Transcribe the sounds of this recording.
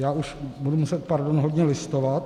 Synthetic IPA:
jaːʔuʃbudumusɛt̪̚paɾdonɦodɲɛlɪst̪ovat̪

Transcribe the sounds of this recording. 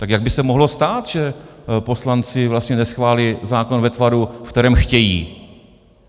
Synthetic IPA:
t̪akjaɡ̚bɪsɛmoɦlo̞st̪aːt̪ʒ̥ɛpo̞slant͡sɪvlast̪ɲɛnɛsxvaːlɪzaːko̞nvɛt̪vaɾufkt̪ɛɾɛːmxcɛjḭː

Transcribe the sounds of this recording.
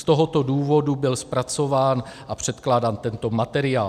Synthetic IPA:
st̪o̞ɦo̞t̪o̞duːvo̞dubɪlspɾat͡so̞vaːnʔapr̝̥ɛt̪klaːdant̪ɛnt̪o̞mat̪ɛɾɪaː

